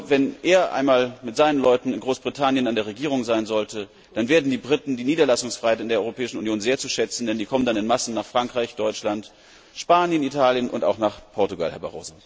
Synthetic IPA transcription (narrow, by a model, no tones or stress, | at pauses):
vɛnʔeːɐʔa̰ɪnmaːlmɪtz̥aɪnənlɔʏtn̩ɪnɡʁoːsb̥ʁitʰanjənandeːɐʁeɡiːʁ̞ʊŋzaɪnzɔltʰə | d̥anveːɐdn̩diːbʁɪtn̩diːniːdɐlasʊŋsfʁ̥aɪhaɪtɪndeɐɔʁopʰɛːɪʃn̩unjoːnzeːɐt͡suʃɛt͡sn̩dɛndiːkʰɔməndanɪnmasn̩nːaːχfʁ̥aŋkʁ̥aɪçd̥ɔʏt͡ʃlant | ʃpaːnjənitʰaːljənʊ̰nta̰ʊxnaːχpʰɔɐtuɡa̰lhɛɐba̰ʁo̰ːzo